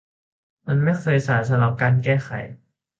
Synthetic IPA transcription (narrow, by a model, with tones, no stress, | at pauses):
ma˧nma˥˩jxʰɤː˧jsaː˩˦ns̬a˧ɾa˧˦p̚kaː˧nkɛː˥˩xʰa̰˨˩˦j